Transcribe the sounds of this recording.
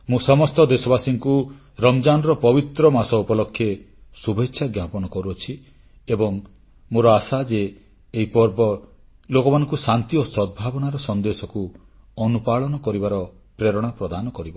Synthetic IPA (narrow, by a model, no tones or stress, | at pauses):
mũsɔmɔst̪ɔd̪esɔbasiŋku | ɾɔmd͡ʒanɔɾɔpɔbit̪ɾɔmasɔupɔlɔkʰːje | subʱetːʃʰaɡjapɔñɔkɔɾuɔt͡ʃʰi | ebɔŋ | moɾɔasad͡ʒeː | ɦipɔɾbɔ | lokɔmanɔ̃ŋkusant̪iosɔd̪̚bʱabɔnaɾɔsɔnd̪esɔku | ɔnupaɭɔnɔkɔɾibaɾɔ | pɾeɾɔɽ̃apɾɔd̪anɔkɔɾibɔ